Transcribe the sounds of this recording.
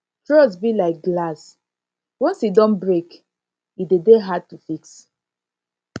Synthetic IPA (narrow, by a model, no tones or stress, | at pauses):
tɹɔsbilaɪk̚ɡlas | wɔ̃nsidɔ̃nbɹek | idedeɦad̚tufiks